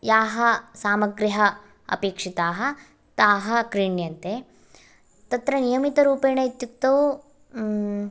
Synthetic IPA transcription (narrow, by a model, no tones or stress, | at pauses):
jaːɦɐsaːmɐɡɾiɦɐ | ɐ̰peːkʂit̪aːɦɐ | t̪aːɦɐkɾiɳjɐnt̪e | t̪ɐt̪ɾɐnijɐmit̪ɐɾuːpeːnɐit̪juk̚t̪ɐu